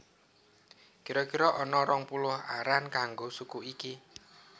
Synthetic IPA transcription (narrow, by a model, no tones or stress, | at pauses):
kiɾɔkiɾɔʔɔnɔɾɔŋpulʊhaɾankaŋɡosukuiki